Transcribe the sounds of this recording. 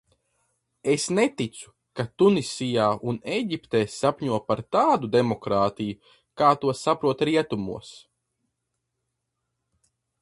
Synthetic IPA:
esnet̪it̪su̥ | kat̪unisijaːunejɟipt̪eːsapʲɲuɔpaɾt̪aːd̪ud̪emɔkɾaːt̪iju | kaːt̪uɔsapɾuɔt̪ɾiɛt̪umṵɔs

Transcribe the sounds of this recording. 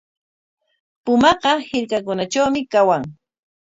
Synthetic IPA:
pʊmɑɢɑhɪɾkakʊnat͡ʃawmɪkawaŋ

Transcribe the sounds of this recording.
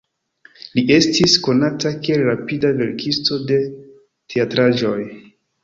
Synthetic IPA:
liʔe̞stisko̞natakeɾapidave̞ɾkʰisto̞de̞ | tʰeatɾaʒo̞j

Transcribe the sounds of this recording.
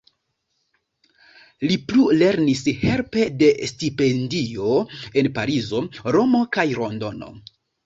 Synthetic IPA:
liplule̞ɾnishe̞lpe̞de̞stipe̞ndio̞e̞npaɾizo̞ɾo̞mo̞kajɾo̞ndo̞no̞̰

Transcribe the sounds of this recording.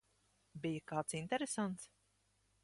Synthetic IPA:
bijakaːt̪sint̪ɛɾesant̪s

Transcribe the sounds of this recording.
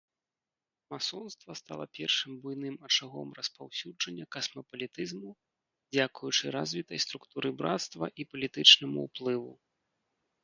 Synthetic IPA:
masɔnst̪vɐst̪a̰lˠɐpʲɛrʂɨmbujnɨmɐt͡ʂɨɣɔmrɐspawsʲud͡ʐɐnʲːɐkɐsmɐpɐlʲit̪ɨzmu | d͡zʲakujut͡ʂɨɾazʲvʲit̪ɐjst̪ɾukt̪uɾɨbɾat̪st̪vɐʔipɐlʲit̪ɨt͡ʂnɐmṵṵplˠɨvṵ

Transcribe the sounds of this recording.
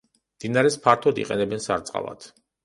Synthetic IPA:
md̪̥inaɾɛspʰaɾt̪ʰɔd̪ḭqʼɛnɛbɛnsaɾt̪sʼqʼa̰lˠa̰t̪ʰ

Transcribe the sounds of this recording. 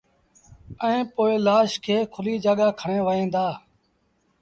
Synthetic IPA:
əẽːpoːeːlaːʃkʰeːkʰʊliːd͡ʒaːɠaːkʰəɳẽːʋəẽːd̪aː

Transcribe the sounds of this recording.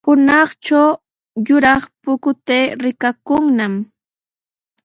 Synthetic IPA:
hʊnɑχt͡ʃaw | jʊɾɑχpʊkʊt̪eːɾɪkakʊŋnam

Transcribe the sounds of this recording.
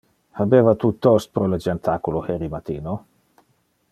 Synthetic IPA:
habeːvat̪ut̪ɔst̪̚pɾɔləd͡ʒant̪ʰakuloheɾimat̪iːno

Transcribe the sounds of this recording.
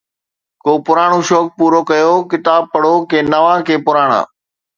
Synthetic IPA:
koːpʊɾaːɽ̃oʃɔːk̚puːɾokɐjoːkɪt̪aːb̚pɐɽokẽːnɐʋãkʰeːpʊɾaːɽ̃a̰ː

